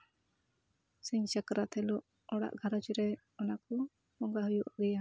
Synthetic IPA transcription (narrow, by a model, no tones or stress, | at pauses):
siɲt͡ʃakɾat̪ʰɛlɔʔ | ɔɽa̰ʔɡʱaɾad͡ʒuɾɛ | ɔnakɔ | pɔŋɡaɦujuʔaɡɛja